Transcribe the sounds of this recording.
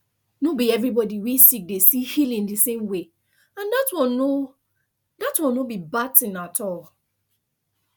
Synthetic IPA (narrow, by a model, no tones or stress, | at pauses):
nobiɛvɹibɔdiwisik̚desihilĩndisẽmwe | ãndatwɔno | datwɔ̃nobibatĩnatʰɔl